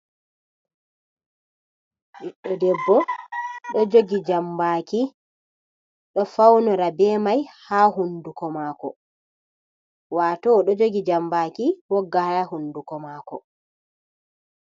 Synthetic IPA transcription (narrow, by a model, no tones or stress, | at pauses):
ɗiɗːɔdɛbːɔɗɔd͡ʒoɡid͡ʒambaːki | ɗɔfawnɔɾabɛːmajhaːɦundukɔmaːkɔ̰ | waːtɔɗɔd͡ʒoɡid͡ʒambaːkiwɔɡːahahundukɔmaːkɔ̰